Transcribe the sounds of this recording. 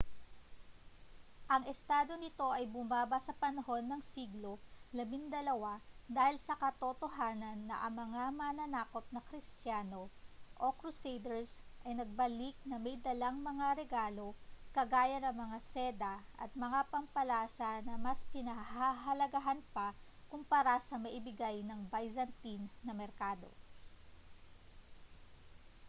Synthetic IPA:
ʔɐŋɛst̪aːd̪o̞nɪt̪o̞ʔɐjbʊmaːbɐsɐpɐnɐho̞nːɐŋsiːɡlo̞lɐmiŋd̪ɐlɐwad̪aːhɪlsɐkɐt̪ot̪o̞ɦaːnɐnːɐ̰ʔɐ̰ŋmɐŋamɐnɐnaːko̞p̚nɐkɾɪst̪jaːno̞ʔokɾʊsejd̪ɛɹsʔɐjnɐɡ̚bɐlik̚nɐmɛjd̪ɐlaŋmɐŋaɾɛɡaːlo̞kɐɡaːjɐnɐŋmɐŋasɛːd̪ɐʔɐ̰t̪̚mɐŋapɐmpɐlaːsɐnɐmɐspɪnɐɦaɦɐlɐɡɐɦanpɐ | kʊmpaɾasɐmɐʔɪbɪɡajnɐŋbajzɐnt̪inːɐmɛɾkaːd̪o̞̰

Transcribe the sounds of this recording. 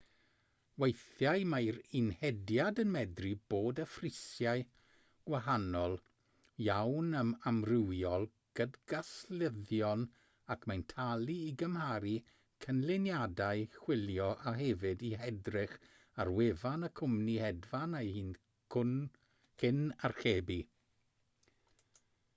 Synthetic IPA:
wejθjajmajɾɪnhɛdjadənmɛdriboːdəfrɪsjaɨ | ɡ̥waɦanɔlˠ | jawnəmamrɪwjɔlˠ | ɡ̥ədɡasləðjɔn | akʰmajntʰalˠiiɡəmhaɾi | kʰənlɪnjadaɨχwɪljɔʔaɦɛvɪdiɦɛdrɪχ | arwevanəkʰʊmnihɛdvanajhiːnʰ | ʊn | kʰɪnarχeːbi

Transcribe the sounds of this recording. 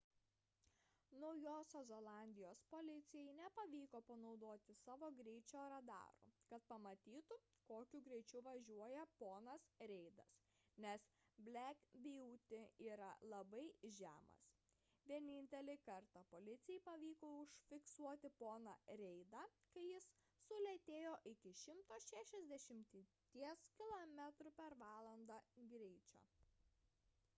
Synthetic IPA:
nɔʊjoːsʲoːzolˠɑˑnʲd̪ʲɪjoːspoːlʲɪt̪sʲɪjɛɪnʲɛpɐʋʲiːkoːpɐnɒʊd̪oːt̪ʲɪsɑːʋoːɡɾʲɛɪt͡ʃʲoːɾɐd̪ɑ̰ːɾṵːkɐt̪̚pɐmɐt̪ʲiːt̪ʊ | koːkʲuɡɾʲɛɪt͡ʃʲɛʊʋɐʒʲuɔjɛpoːnɐsɾʲɛɪd̪ɐs | nʲɛs | bʲlʲækbʲɪjuːt̪ʲɪiːɾɐlˠɐbɐɪʒʲæːmɐ̰s | ʋʲiɛnʲɪnʲt̪ʲɛlʲɪkɐɾt̪ɑːpolʲɪt̪sʲɪjɛɪpɐʋʲiːkoʊʃʲfʲɪksuɔt̪ʲɪpoːnɑ̰ɾʲɛɪd̪ɑːkɐɪjɪsː | ʊlʲɛt̪ʲeːjoːʔɪkʲɪʃʲɪmt̪oːʃʲæːʃʲɛzʲd̪ʲɛʃʲɪmʲt̪ʲ | t̪ʲiɛskʲɪlˠomʲæt̪ɾʊpʲɛɾʋɑːlˠɐnd̪ɑːɡɾʲɛɪt͡ʃʲo̰ː

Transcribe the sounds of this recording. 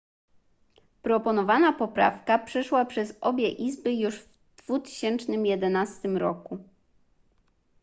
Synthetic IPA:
pɾɔpɔnɔvanapɔpɾa̰fkapʂɛʂwapʂɛzɔbʲjɛʔizbɘjuʐv | d̪̥v̥ut̪ɘ̥ɕɛnt͡ʂnɘmjɛd̪ɛnast̪ɘmɾɔku

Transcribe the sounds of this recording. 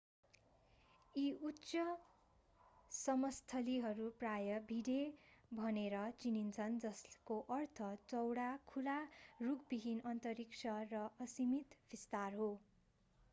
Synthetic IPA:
iutːsʌ | sʌmʌst̪ʰʌliɦʌɾuprajʌbʱiɽebʱʌneɾʌt͡sinint͡sʰʌnd͡zʌskoʔʌrt̪ʰʌt͡sʌwɽakʰularuɡbiɦinʌnt̪ʌɾiksʰʌrʌʔʌsimit̪b̥ʱist̪arɦo

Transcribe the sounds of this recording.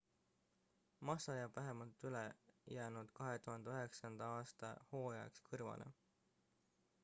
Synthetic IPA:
mɑsɑjɑvæɦe̞mɑlt̪ːˑylejæːnud̪̥kɑɦe̞t̪uɦɑnd̪eøɦe̞ksɑnd̪̥ɑɑːst̪ɑ̰ho̞ːjɑḛkskʰɤrvɑ̰nḛ

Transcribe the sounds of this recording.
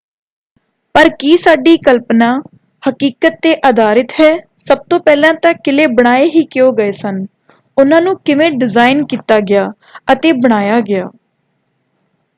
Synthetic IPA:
pəɾkiːsaːɖiːkəlpnãː | həkiːkət̪ːeːʔəd̪aːɾɪt̪ɦɛːsəb̚t̪õːpɛːlãːt̪ãkɪleːbəɽ̃aːeːɦiːkɪoːɡəeːsən | ʊnãːnũːkɪʋẽːɖɪzaːɪnkiːt̪aːɡɪjaː | ət̪eːbəɽ̃aːjaːɡɪjaː

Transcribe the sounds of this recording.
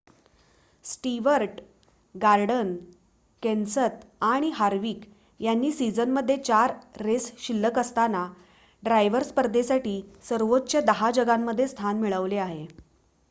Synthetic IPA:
sʈiʋəɾʈ | ɡaɾɖən | kɛnsət̪aɽ̃iɦaɾʋiːk | janːiːsid͡zənməd̪ʱːjet͡ɕaɾːesɕilːəkəst̪ana | ɖɾajʋəɾspəɾd̪esaʈiːsəɾʋot̪ːt͡ɕəd̪əɦad͡ʑəɡamːəd̪ʱːjest̪ʰanmiɭəʋleaɦe

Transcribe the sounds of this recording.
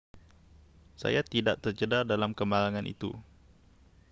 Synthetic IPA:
sa̰jat̪idaʔt̪ərd͡ʒədardalamkəmaɾaŋãnʔḭt̪ṵ

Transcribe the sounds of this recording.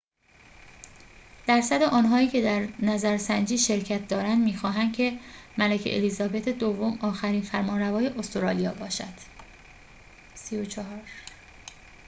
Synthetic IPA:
d̪̥æɾsæd̪eʔɒːnɦɒːiːcʰe̞d̪æɾnæzæɾsænd͡ʒiːʃe̞ɾcʰæt̪̚ʰd̪ɒːɾænd̪miːxɒːɦæn̥kcʰe̞mælæcʰḛʔḛlizɒːbet̪ʰed̪ovːomɒːxæɾiːnfæɾmɒːnɾævɒːje̞ʔost̪oɾɒːlijɒːbɒːʃæd̪̥ | siot͡ʃʰɒɦɒːɾ

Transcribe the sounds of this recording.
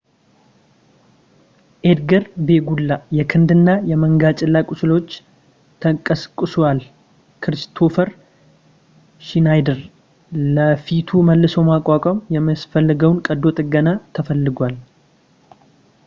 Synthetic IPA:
ʔed̪ɡəɾbe̞ɡulːajɛkʰɨnd̪ɨnːajɛməŋɡat͡ʃʼɪlːakʼʊsɨlo̞t͡ʃː | t̪ʰəkʼːəskʼːɨswal | kʰɨɾst̪ʰo̞fəɾ | ʃinajd̪əɾ | ləfit̪ʰuməlːɨsowmakʼːakʼɔmjɛməsfəlːəɡəwnkʼəd̪ːo̞t̪ʼɨɡənat̪ʰəfəlːɨɡʷal

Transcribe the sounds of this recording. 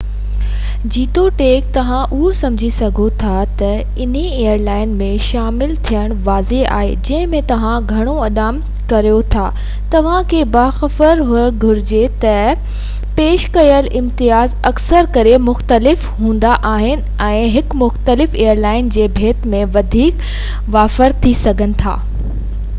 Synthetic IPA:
d͡ʑiːt̪oʈeːk̚t̪ɐʋ̤ãʔʊɦosɐ̃md͡ʑʱisɐɡʱot̪ʰat̪ɐ | ɪn̤eeːəɾlaːɪnmẽʃaːmɪlt̪ʰijəɽ̃ʋaːzea̰ːɦḛd͡ʑɐ̃ɦɪ̃mẽt̪ɐʋ̤ãɡʱɐɽ̃oɐɗaːm | kɐɾijot̪ʰaː | t̪ɐʋ̤ãkʰeːbaːxɐfəɾɦʊəɽɡʱʊɾɪd͡ʑet̪ɐ | peːʃkɐjəlʔɪ̃mt̪ɪjaːzɐksəɾkɐɾemʊxt̪əlɪf | ɦũːn̆d̪aʔaːɦɪnɪ̆ɛ̃ːɦɪkmʊxt̪əlɪfeːjəɾlaːɪnd͡ʑeːbʱeːt̪mẽʋɐd̪ʱiːk | ʋaːfəɾt̪ʰːisɐɡʱənɪ̆t̪ʰa̰ː

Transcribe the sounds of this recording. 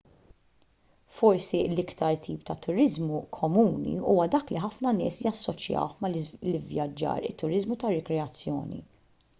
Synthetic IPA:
fɔɾsilɪkt̪ɐɾt̪ʰiːpt̪ɐt̪ʊɾɪzmukʰɔmuːnḭuːwɐd̪ɐːkliħɐfnɐnɪ̰ːsjɐsːɔt͡ʃjɐ̰wħmɐllɪvjɐd͡ʒːɐ̰ːɾɪ̰t̪ːʊɾɪzmut̪ɐɾːɪkɾɛɐt͡sːjɔ̰ːnḭ

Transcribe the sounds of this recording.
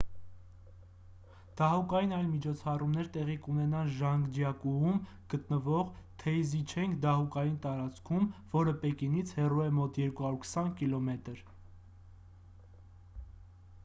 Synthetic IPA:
d̪̥ɑɦukɑjinɑjlmit͡ʃʰɔt͡sʰɑrumnɛɾt̪ɛʁikunɛnɑnʒɑŋɡd͡ʒjɑkuum | ɡ̥ət̪nəvɔʁt̪ʰɛjzit͡ʃʰɛŋkʰd̪ɑɦukɑjint̪ɑɾɑt͡skʰumvɔɾəpɛkinit͡sʰhɛruɛmɔt̪jɛɾkuhɑɾuɾkʰə̥sɑnkilɔmɛt̪əɾ

